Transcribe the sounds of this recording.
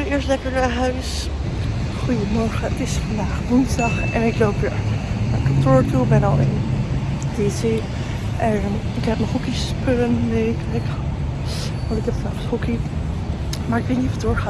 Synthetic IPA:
ɪːɹstlɛkəɹəɦœɥs | χujəmɔɹχəətɪsfɑndaːχʋʊnzdɑχɛ̰nɪklowp̚dɪ̰ɹnakɑntʊɹtulbɛnɑlˠɪ̰n | dese | ʔɛnɪkɦɛp̚nəχɦukispølənnekɛk | ʋɑtɪk̚dɑtfnaːχshuki | maɹɪkʋɪlˠnifɔdʊːɹχaːn

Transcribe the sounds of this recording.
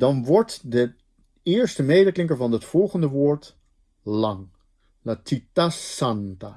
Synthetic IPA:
dɑnʋɔɹtdə | ɪːɹstəmejdəklɪŋk̬əɹvɑnətfɔlˠχəndəʋʊːɹt | lɑŋ | latitasanta

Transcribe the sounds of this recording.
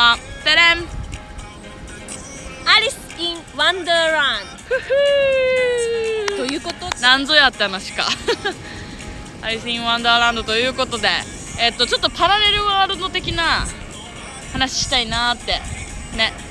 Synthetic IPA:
at̪eɾem | aɾʲiskʲĩwãnd̪aɾãnd̪ | t̪ojɯːkot̪onãnzo̞jat̪ːeanaɕi̥ka̰ | aɾʲisɨkʲĩɰ̃βãnd̪aɾãnd̪o̞t̪o̞jɯ̟ːko̞t̪o̞d̪e̞̰ː | t̪ːot͡ɕo̞t̪ːo̞paɾaɾe̞ɾɯ̟βaːɾɯ̟d̪o̞t̪e̞kʲina | hanaɕi̥ɕi̥t̪ainaːt̪ːe̞ne̞

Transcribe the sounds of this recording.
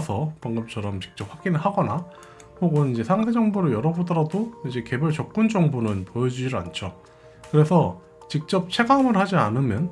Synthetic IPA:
sʰʌmaŋɡɯmt͡ɕʰʌɾʌmt͡ɕi̥k̚t͡ɕ͈ʌp̚ɸwaɡinɯɭhaɡʌna | hoɡonid͡ʑe̞sʰaŋsʰe̞d͡ʑʌŋbuɾɯɭjʌɾʌbodʌɾadoid͡ʑe̞ke̞buɭt͡ɕʌk̚k͈und͡ʑʌŋbunɯnpojʌd͡ʑud͡ʑiɾa̰nt͡ɕʰo | kɯɾe̞sʰʌ | t͡ɕik̚t͡ɕ͈ʌp̚t͡ɕʰe̞ɡamɯɭhad͡ʑianɯmjʌn

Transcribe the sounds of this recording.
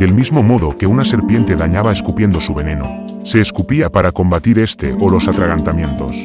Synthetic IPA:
d̪e̞lmizmo̞mo̞ðo̞ke̞unase̞ɾpje̞nt̪e̞ðaɲaβaeskupje̞nd̪o̞suβene̞no̰ | se̞ːskupiapaɾako̞mbat̪iɾe̞st̪e̞̰ʔolo̞sat̪ɾaɣant̪amjẽ̞nt̪o̞s

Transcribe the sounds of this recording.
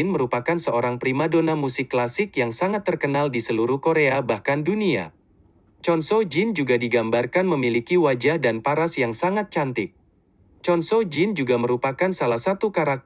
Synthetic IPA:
nməɾupakansəoɾaŋpɾimadonamusɪkːlasɪkjaŋsaŋat̪ːərkənaldisəluɾuhkoɾeabahkandunia̰ | t͡ʃɔnsod͡ʒɪnd͡ʒuɡadiɡambarkanməmilikiwad͡ʒahdanpaɾasjaŋsaŋat̪̚t͡ʃant̪ɪk̚ | t͡ʃɔnsod͡ʒɪnd͡ʒuɡaməɾupakansalahsat̪ukaɾak̚

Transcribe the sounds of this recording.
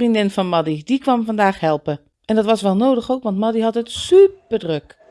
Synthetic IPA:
rindɪnvɑnmɑdidikʋɑmvɑndaːxɦɛlˠpə | ʔɛndɑtʋɑsʋɛlˠnowdəχowkʋɑntmɑdiɦɑtətsypərdrøk

